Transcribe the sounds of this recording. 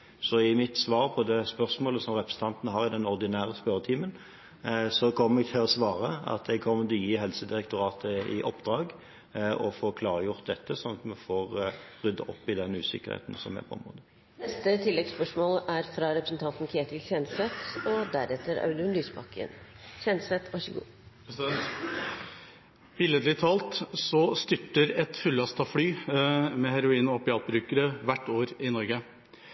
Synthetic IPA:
sɔɪmɪt̪sʋɑːɾpʰɔd̪ɛspœʁsmoːləsɔmʁɛpɾəsn̩t̪ɑnt̪nəɦɑːɾɪd̪ɛnɔʁd̪ɪnæːʁəspœɾət̪ʰiːmən | sɔkʰɔmːəɾɛɡ̚t̪ʰɪlɔsʋɑːʁəɑ̰t̪ɛɡkʰɔmːənt̪ʰɔjiːɦɛlsəd̪ɪɾɛk̚t̪ʰʊɾɑːt̪ʰəɪʔɔpːd̪ɾɑːɡ | ɔfoːkʰlɑːʁəjʊʁt̪̚d̪ɛt̪ːəsɔmɑt̪mɛfoːʁʁʏd̪ːəʔɔpːɪd̪ɛnʉ̰ːsɪ̰kːəʁhḛːt̪n̩sɔ̰mɛ̰pʰɔɔ̰mɾo̰ːd̪ə | nɛst̪ət̪ʰɪlːɛɡspœʂmoːlæɾfɾɑɾɛpɾəsn̩t̪ʰɑnt̪n̩kʰeːt̪ɪlçɛnsɛt̪ɔd̪æɾɛt̪ːəɾɑ̰ʉlʉnlyːspʰɑkːə̰n | çɛnsɛt̪ʰʋɑʃəɡṵː | sɛt̪ | b̥ɪləd̪lɪt̪ʰɑːlt̪sɔst̪ʏʈːəɾɛt̪fʉlːɑst̪ɑflyːmɛhæɾʊiːnɔpɪɑːl̚bɾʉːkəɾəʋæʈːoːɾɪnɔɾɡə

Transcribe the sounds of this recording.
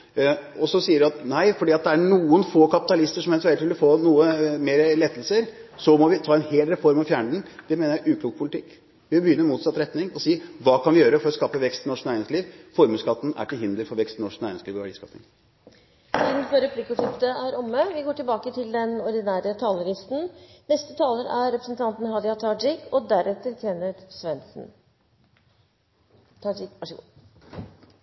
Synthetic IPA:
ɔsɔsiːəɖɪɑt̪næɪfɔɖiːɑt̪̚d̪ɛæɳuːənfoːkʰɑpɪt̪ɑlɪst̪əʂɔmhɛlsɛlʋɪlːəfoːnuːəmeːɾəlɛt̪ːəlsəɾsɔmɔʋɪt̪ʰɑːɛnheːlɾɛfɔɾmɑfjæːɳɖɳ̩d̪̥ɛmeːnəjæɪʔʉːkʰluːɡəpʰʊlɪt̪ʰɪkː | ʋɪbəjʏnːəɾmuːt̪sɑt̪ːɾɛt̪nɪŋɔsiːʋɑːkʰɑnʋɪjøːɾəfɔɾɔskɑːpəʋɛkst̪ɪnɔʂknæɪɾɪŋsliːʋfɔɾmʉskɑt̪ːn̩ʔæ̰ʈɪlɦɪnd̪əɾfɔɾʋɛkst̪nɔʂknæɪɾnɪŋsliːʋɔʋæɖiːskɑfɪ̰ŋ | siːd̪n̩fɔɾɛpʰlikːʊʂɪft̪əæɾɔmːəʋɪɡoːʈɪlbɑːkət̪ʰɪld̪ɛnɔɾd̪ɪnæːɾət̪ʰɑːləɾɪst̪n̩nɛst̪ət̪ʰɑːləɾʔæɾɛpɾəsn̩t̪ʰɑnt̪n̩hɑd̪ɪɑt̪ʰɑːɖɪkʰɔd̪æɾɛt̪ːəɾtʰeːnəɾsʋɛnsn̩ | ɪkʋɑʂəɡu

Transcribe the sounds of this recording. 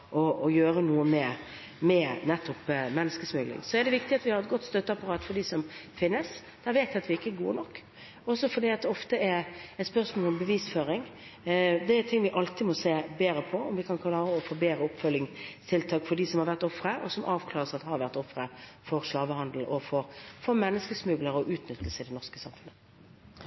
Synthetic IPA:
ʔɔɔjøːɾənuːəmɛ | mɛnɛt̪ːɔpmɛnːəskəsmʏlɪ̰ŋsɔɛd̪ɛʋɪkt̪ɪɑt̪ʋɪhɑɾɛt̪̚ɡɔt̪ːst̪œt̪ːəɑpɑɾɑːt̪fɔɖ̪isɔmfɪnːəs | d̪̥æɾʋeːt̪ʋɪɑt̪ʋɪɪkːəɛɡṵːnɔkː | ɔsɔfɔd̪iːɑt̪̚d̪ɛɔft̪əɛɾɛt̪spœʁsmoːlɔmbəʋiːsføːɾɪŋ | d̪ɛæt̪ʰɪŋːʋɪʔɑlt̪ɪmɔseːbeːɾəpʰɔɔmʋɪkʰɑnkʰlɑːɾəɔfoːbeːɾəʊpfœlːɪŋt̪ʰɪlt̪ʰɑːkfɔɖ̪isɔmhɑɾʋæʁt̪ɔfɾəʔɔ̰sɔmʔɑːʋkʰlɑːʁəsɑt̪hɑɾʋæʁt̪ɔfɾəfɔɾslɑːʋəhɑnd̪l̩ʔɔfɔʁfɔʁmɛnːəskəsmʉɡləʁɔʔʉːt̪nʏt̪ːəsɪd̪ɛnɔʁskəsɑmfʉnːə

